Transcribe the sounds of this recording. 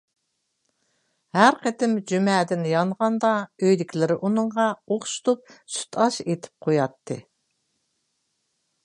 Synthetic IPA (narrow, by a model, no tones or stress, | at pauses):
hæɾqʰet̪ɪmd͡ʒymɛːd̪ɪnjɑnʁɑnd̪ɑøjd̪ɪkʲʰlɪɾɪʔunɨɴʁɑoχʃu̥t̪up̚sy̥t̪ʰɑʃet̪ʰɪ̥p̚qʰojɑt̪ʰːɨ̰